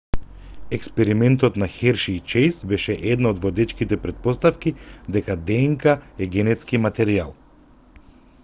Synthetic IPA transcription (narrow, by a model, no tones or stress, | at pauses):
ɛkspɛɾimɛnt̪ɔt̪naxɛɾʃit͡ʃɛjsbɛʃɛʔɛd̪naod̪vɔd̪ɛt͡ʃkit̪ɛpɾɛt̪̚pɔst̪afkid̪ɛkad̪ɛŋkaɛɡɛnɛt̪skimat̪ɛɾia̰lˠ